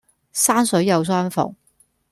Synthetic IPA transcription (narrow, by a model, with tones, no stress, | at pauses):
sa˥nsɵ˨˥jɐ˨˧˩wswa˥nfʊ̰˨˩ŋ